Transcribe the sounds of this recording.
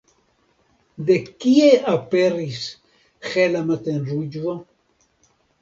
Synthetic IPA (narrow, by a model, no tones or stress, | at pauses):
d̪ekieaperis | xelamat̪enrud͡ʒvo